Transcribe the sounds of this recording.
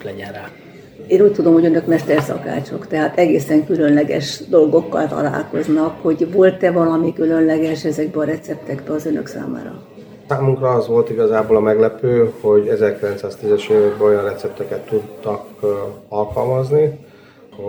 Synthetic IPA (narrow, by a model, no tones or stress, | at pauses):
lɛɟɛnraː | eːnuːc̚ʲt̪ud̪o̞mho̞ɟønø̞kmɛʃt̪ɛrsɒ̰ka̰ːt͡ʃo̞kt̪ɛɦaːt̪ɛɡeːsɛŋkylø̞nlɛɡɛ̰ʃd̪o̞lɡo̞kːɒ̰lt̪ɒ̰la̰ːlko̞znɒkho̞ɟvo̞lt̪ɛvɒlɒmikylø̞nlɛɡɛʃɛzɛɡ̚bɛɒɾɛt̪sɛp̚t̪ɛɡbɛɒzønø̰ksa̰ːma̰ːɾɒ̰ | saːmuŋkrɒɒzʋo̞lt̪iɡɒzaːboːlɒmɛɡlɛpøːho̞ɟɛzɛrkilɛnt̪saːst̪izɛʃeːvɛɡ̚bɛo̞jɒnrɛt̪sɛp̚t̪ɛkɛt̪ːud̪ːɒkɒlkɒlmɒzni | ho